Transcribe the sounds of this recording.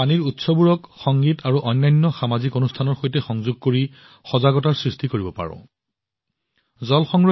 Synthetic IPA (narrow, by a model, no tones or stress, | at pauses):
aniɹutsɔbuɹɔkxɔŋɡitaɹuʔɔjnːajnːɔxamazikonustʰanɔɹxojtɛxɔŋzuɡ̚koɹi | xɔzaɡɔtaɹsɹistikoɹibɔpa̰ɹɔ̰̃ | zɔlxɔŋɹ